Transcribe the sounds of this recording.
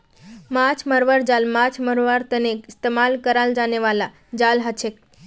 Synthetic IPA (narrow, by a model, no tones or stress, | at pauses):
mat͡ʃʰməɾʋəɾd͡ʒalmat͡ʃʰməɾʋəɾt̪ənekɪst̪emalkəɾald͡ʒaneʋala | d͡ʒalɦət͡ʃʰek